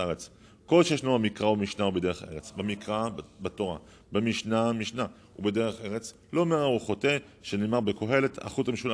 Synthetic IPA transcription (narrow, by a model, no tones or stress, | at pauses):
aʁet͡s | ko̞lʃejaʃnubamikʁaubemiʃnaubede̞ʁeχḛʁet͡sbemikʁabato̞ʁa̰ | bemiʃnamiʃna | ubede̞ʁeχeʁet͡s | lomeʁauχote | ʃeneːmaʁbeko̞ɦe̞le̞tʰa̰χutameʃula